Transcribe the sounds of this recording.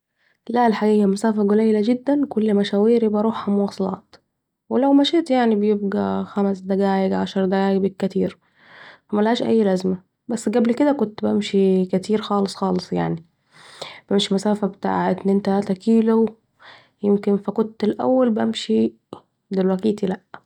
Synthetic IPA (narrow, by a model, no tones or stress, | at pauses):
lælħaɡæjːæmʊsæːfæɡolæjːlæɡɪd̪ːænkolːmæʃæːwiːɾibɑɾˤuːħhæmowɑːsˤɑlɑ̰ːt̪ | welæwmæʃet̪jaʕnibejeb̚ɡæ̰xæmæsd̪æɡæːjeɡʕaʃɑɾˤd̪æɡæːeɡbeɡ̚kæt̪iːɾ | fæmælhæːʃʔæ̰jːlæzmæ | bæsːɡæblked̪ækont̪bæmʃikæt̪ʰiːɾxɑːlesˤxɑːlesˤja̰ʕni | b̥æmʃimʊsæːfæbet̪a̰ːʕet̪nːʔent̪ææːt̪ækiːlo | jemkɪnfækont̪ːelʔæ̰wːælbʔæmʃi | d̪elwækiːt̪ilæʔ